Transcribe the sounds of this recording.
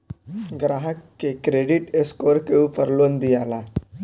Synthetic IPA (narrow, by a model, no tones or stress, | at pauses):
ɡɾaːɦəkːekɾeɖiʈeskoːɾkeupəɾlond̪ijala